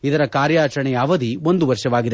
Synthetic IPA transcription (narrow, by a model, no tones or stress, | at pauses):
id̪ɐɾɐkaːɾjaːt͡ʃɐɳɛjɐːʋɐd̪iʋo̞nd̪uʋɐɾʂɐʋaːɡid̪e